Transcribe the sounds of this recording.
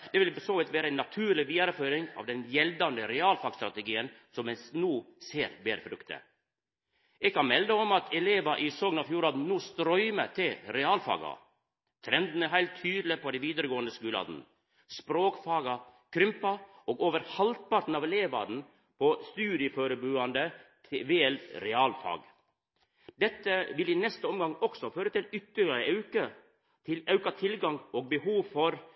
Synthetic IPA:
d̪̥ɛʋɪlsoːʋɪt̪ʋæːɾəɛɪnːɑt̪ʰʉːɾɭɪʋiːɑɾəføːɾɪŋɑ̰ʋd̪ɛnjɛld̪ɑnd̪əɾɛɑːlfɑːɡst̪ɾɑt̪əɡiːən | sɔmɛsnuːseːɾbeːɾfɾʉkt̪ʰə̰ | ɛɡkɑnmɛld̪əɔmɑt̪ʰɛleːʋɑʔɪsɔɡnɑfjuːɾɑːd̪n̩nuːst̪ɾɔʏmət̪ʰɪlɾɛɑːlfɑ̰ːɡɑ̰ | t̪ʰɾɛnd̪n̩æɦæɪlt̪ʰːyːd̪lɪpʰɔd̪ɛʋiːd̪əɾəɡoːənd̪əskʉːlɑ̰ːd̪n̩ | spɾoːkfɑːɡɑkʰɾʏmpɑʔoːɡoːʋəɾhɑlt̪̚pɑɾʈ̪n̩ɑːʋɛleːʋɑ̰d̪n̩ | pʰɔst̪ʉːɾɪəføːɾəbʉːɑnd̪ət̪ʰɪʋeːɛlɾɛɑːlfɑ̰ːɡ | d̪ɛt̪ːəʋɪlɪnɛst̪əɔmɡɑŋɔksɔføːɾət̪ɪlʏt̪ːəɭɑɾəɑʉkə | t̪ʰɪlɑʉkɑt̪ʰɪlɡɑŋoːɡ̚bəhuːʋfɔɾ

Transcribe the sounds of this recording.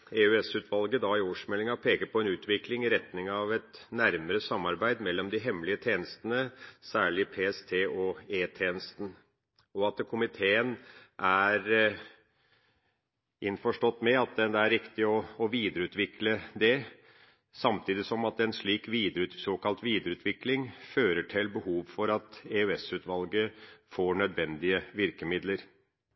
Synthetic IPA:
eʉɛsʉt̪ʋɑlɡəd̪ɑɪoːʂmɛlːɪŋɑpʰeːkəɾpʰɔɛnʉːt̪ʋɪklɪŋɪɾɛt̪nɪŋɑʋɛt̪næɾməɾəsɑmːɑɾbæɪd̪mɛlːɔmd̪ɪɦɛmːlɪət̪ʰeːnəst̪ənəsæːɭɪpʰeːɛst̪ʰeːʔɔeːt̪ʰeːnəst̪n̩ | ɔɑt̪̚ɛkʰʊmɪt̪ʰeːənʔæɾ | ɪnfɔʂʈɔt̪ːmɛɑt̪̚d̪ɛd̪ɛæɾɪkt̪ɪɔɔʋiːd̪əɾəʉːt̪ʋɪkləd̪ɛ | sɑmt̪ʰiːd̪ɪt̪sɔmɑt̪ɛnʂɭiːkʋiːd̪əɾʉt̪soːkɑlt̪ʋiːd̪əɾəʉːt̪ʰʋɪklɪŋføːɾəʈʰɪlbəhuːʋfɔɾɑt̪eʉɛsʉːt̪ʋɑlɡəfoːɳœd̪ʋɛnd̪ɪəʋɪɾkəmɪd̪ləɾ

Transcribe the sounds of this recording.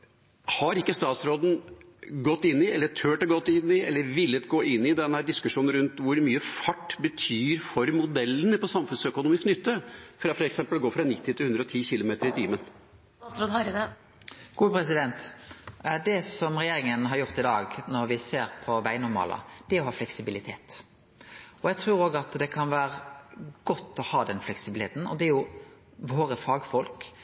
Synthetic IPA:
hɑɾɪkːəst̪ɑːt̪sɾoːd̪n̩ | ɡɔt̪ːɪnːɪɛlːəʈʰøːʈɔɡɔt̪ːɪnːɪɛlːəɾʋɪlːət̪ɡoːʔɪnːɪd̪ɛnəhæːɖ̪ɪskʉʂuːnn̩ɾʉnt̪ʋʊɾmyːəfɑʈːbət̪ʰyːɾfɔɾmʊd̪ɛlːənəpɔsɑmfʉnsœkʊnuːmɪsknʏt̪ːəfɾɑfɔɾɛksɛmpəlɡoːfɾɑnɪt̪ːɪt̪ɪlʉnd̪ɾɔt̪ʰiːçɪlʊmeːt̪əɾɪt̪ʰiːmən | ɾoːd̪ɑ | ɡ̥uːpʰɾɛsɪd̪ɛnt̪ | d̪ɛsɔmʁɛjeːɾɪŋənɦɑɾjʊɾt̪ɪd̪ɑːɡnɔɾʋɪseːɾpʰɔʋæɪnʊɾmɑ̰ːlʔɑ̰d̪̥ɛæɔɦɑːflɛksɪbɪlɪt̪ʰeːt̪ | ɔjɛɡt̪ʰɾʉːɾoːɡɑt̪d̪ɛkʰɑnʋæːɾəɡ̥ɔt̪ːɔhɑːd̪ɛnflɛksɪblt̪ʰeːt̪n̩ɔ̰d̪ɛæɾjʊ | ʋoːɾəfɑːɡfɔlk

